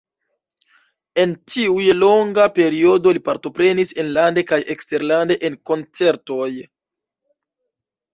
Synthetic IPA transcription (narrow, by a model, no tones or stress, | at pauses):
e̞ntiujelo̞ŋɡape̞ɾio̞do̞lipaɾto̞pɾe̞nise̞nlande̞kajʔekste̞ɾlande̞ʔenko̞nt͡se̞ɾto̞j